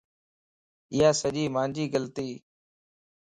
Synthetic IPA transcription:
ɪjaːsəʄiːmãːnd͡ʒiːɡəlt̪iː

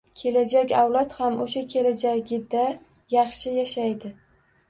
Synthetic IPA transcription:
kʲʰe̞lad͡ʒakʲawlat̪hamoʃakʲʰe̞lad͡ʒaɡʲɪd̪a | jɑχʃɪjaʃajd̪ɪ

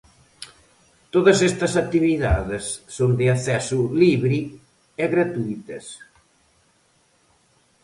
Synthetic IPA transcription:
t̪oðɐsest̪ɐsak̚t̪iβiða̰ðesːond̪eaθɛsuliβɾi | eɣɾat̪uit̪ɐs

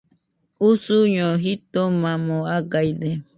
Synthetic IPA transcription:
usuɲõɦit̪omãmõaɡajd̪e

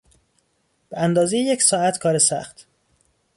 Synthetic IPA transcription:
b̥eænd̪ɒːzejejecsɒːæt̪ʰkʰɒːɾesæ̰xt̪ʰ

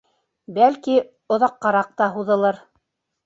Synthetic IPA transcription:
bælki | ŏðɑqːɑɾɑq̚t̪ɑɦuðɤ̆lˠɤɾ

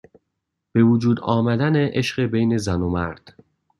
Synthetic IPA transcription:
b̥e̞vud͡ʒuːd̪ɒːmæd̪æneʔeʃɢebe̞jne̞zænomæɾd̪̥

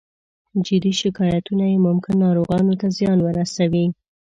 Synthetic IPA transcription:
d͡ʒɪd̪iʃɪkɑjat̪unajemʊmkɪnːɑɾoɣɑnot̪azjɑnwəɾasawi

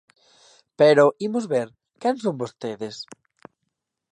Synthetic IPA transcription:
peɾoʔimʊzβeɾ | kɛnsoŋbost̪eðes

